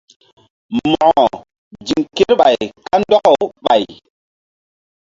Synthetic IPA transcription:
mɔ˨ɔ˨ | d͡ʒi˨ŋke˦ɾɓa˨jka˦ndɔ˦kɔ˦ɓa˨j

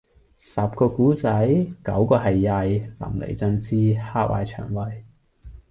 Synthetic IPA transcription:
sɐ˨p̚kɔː˧kuː˨˥t͡sɐ˨˥jkɐ˨˥wkɔː˧ɦɐ˨jːɐ˧jlɐ̰˨˩mlḛ˨˩jt͡sɵ˧nt͡siː˥haː˥k̚wʔa̰ː˧jt͡ʃʰœ̰ː˨˩ŋwɐ˧j

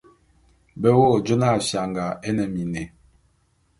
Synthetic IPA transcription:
bɛ˦wo˦˨d͡ʒo˦na˦˨sja˨ŋɡa˨ɛ˦nɛ˨mi˨nɛ˨

